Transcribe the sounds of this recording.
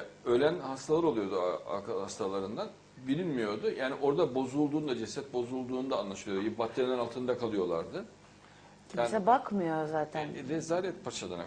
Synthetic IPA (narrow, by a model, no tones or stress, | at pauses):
ølʲænhast̪ʰalˠaɾolˠujo̞d̪ua̰kʰaast̪ʰalˠaɾɯnd̪an | bilʲinʲmijo̞ɾd̪ʊjaːniʔo̞ɾd̪abo̞zulˠd̪uːnd̪ad͡ʒɛsɛt̪̚bo̞zulˠd̪uːnud̪aːnlˠaʃɯlˠɯjod̪jibat̪ʰlːʲeɾʲilʲɛnalˠt̪ʰɯnd̪akʰalˠɯjo̞lˠa̰ɾd̪ɯ | cʰiasɛbakmɯjoɾzaːt̪ʰænvɛzaːɾɛnpʰat͡ʃad̪a̰na̰